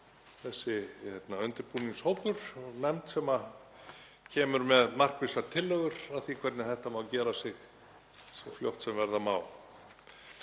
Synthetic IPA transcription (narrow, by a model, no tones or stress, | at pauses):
θɛsːɪhɛt̪naœnt̪ɪɾpuːniŋshowpʏɾ̥nɛmt̪sɛma | cʰɛːmʏɾmɛðmar̥kvɪsat̪ʰɪlːœɣʏɾaθikʰvɛɾt̪nɪθɛht̪amaːwcɛːɾasɪx | sɔfljowht̪sɛmvɛɾðamaːw